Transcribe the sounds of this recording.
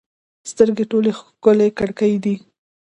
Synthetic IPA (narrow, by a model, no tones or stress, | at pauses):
st̪əɾɡeʈolexkʊlekaɽkəjd̪i